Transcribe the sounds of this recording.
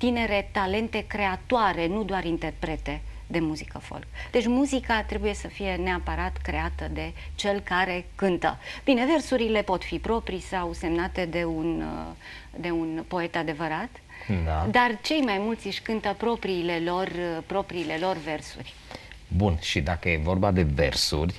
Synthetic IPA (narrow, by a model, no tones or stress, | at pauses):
t̪ine̞ɾe̞t̪ale̞nt̪e̞kɾe̞at̪oaɾe̞nud̪oaɾint̪e̞rpɾe̞t̪e̞ | d̪e̞muzikəfo̰lkd̪̥e̞t͡ʃʲmuzikat̪ɾe̞buje̞səfije̞ne̞apəɾat̪kɾe̞at̪əd̪e̞t͡ʃe̞lkaɾe̞kɨnt̪ə̰b̥ine̞ve̞rsuɾile̞po̞t̪fipɾo̞pɾisawse̞mnat̪e̞d̪e̞un | d̪e̞unpo̞e̞t̪ad̪e̞vəɾat̪ | d̪ad̪art͡ʃe̞jmajmult̪sʲɨʃʲkɨnt̪əpɾo̞pɾiːle̞lo̞rpɾo̞pɾiːle̞lo̞rve̞rsṵrʲ | bunʃid̪akəjevo̞rbad̪e̞vḛrsṵrʲ